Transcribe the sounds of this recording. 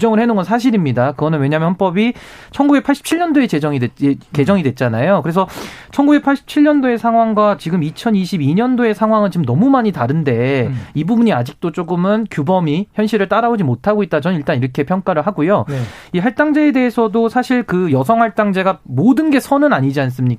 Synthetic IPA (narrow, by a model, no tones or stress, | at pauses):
ud͡ʑʌŋɯɭhe̞noŋɡʌnsʰaɕ̬ʰiɾimɲidakɯɡʌnɯnwe̞ɲamʌnɦʌnp͈ʌbi | t͡ɕʰʌnɡubekpʰaɭɕ͈i̥pt͡ɕʰiʎɲʌndoe̞t͡ɕe̞d͡ʑʌŋideke̞d͡ʑʌŋidwe̞t̚t͡ɕ͈anajokɯɾe̞s̬ʰʌt͡ɕʰʌnɡube̞k̚pʰaɭɕ͈i̥p̚t͡ɕʰiɭːʌndoe̞sʰaŋɦwaŋɡwat͡ɕiɡɯmit͡ɕʰʌniɕʰibiɲʌndoe̞sʰaŋɦwaŋɯnt͡ɕimnʌmumaɲitaɾɯnde̞ibubuɲiad͡ʑik̚t͈ot͡ɕ͈oɡɯmɯnkjubʌmiçjʌnɕʰiɾɯɭt͈aɾaod͡ʑimotʰaɡoit̚t͈at͡ɕʌniɭt͈aniɾʌkʰe̞pʰjʌŋk͈aɾɯɭɦaɡujo | iɦaɭt͈aŋd͡ʑe̞ede̞ɦesʰʌdosʰaɕʰiɭkɯjʌs̬ʰʌŋɦaɭt͈aŋd͡ʑe̞ɡamodɯnɡe̞sʰʌnɯnaɲid͡ʑians̬͈ɯmɲik͈a